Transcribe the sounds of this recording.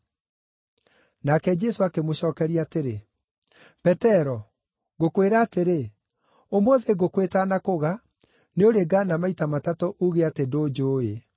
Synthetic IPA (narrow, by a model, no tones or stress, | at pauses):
nakɛd͡ʒɛsoakemoɕɔːkɛɾiateɾe | pɛtɛɾɔ | ɣokweɾaːteɾe | omwoðeɡokwetanakoɣa | neoɾeɡaːnamaitamatatɔʔuɣeatedoːd͡ʒoːje